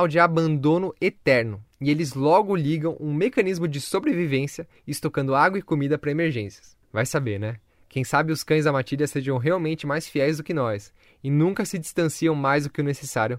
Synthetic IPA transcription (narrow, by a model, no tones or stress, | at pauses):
awd͡ʒɪabɐ̃nd̪õnʊet̪ɛɾnʊɪelɪzlɔɡʊliɡɐ̃w̃ʔũmekɐ̃nizmʊd͡ʒɪsobɾevivẽsiɐ | ɪst̪okɐ̃nd̪ʊaɡwɐɪkomid̪ɐpɾɐemeɾʒẽsjɐ̥s | vajsabeɾnɛ | kẽj̃sabɪʊskɐ̃j̃zd̪ɐmat͡ʃiʎɐseʒɐ̃w̃ɦeawmẽnt͡ʃɪmajsfiɛjzd̪ʊkɪnɔjs | ɪnũŋkɐsɪd͡ʒist̪ɐ̃siɐ̃w̃majzd̪ʊkɪʊnesesaɾjʊ